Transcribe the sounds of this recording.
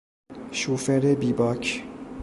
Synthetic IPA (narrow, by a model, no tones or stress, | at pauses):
ʃuːfeɾebiːbɒːkʰ